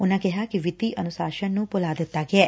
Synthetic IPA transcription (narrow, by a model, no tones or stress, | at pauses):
ʊnãːkɛɦaːkɪʋɪt̪iːʔənʊsaːʃənnũːpʊlaːd̪ɪt̪ːaːɡɪɛː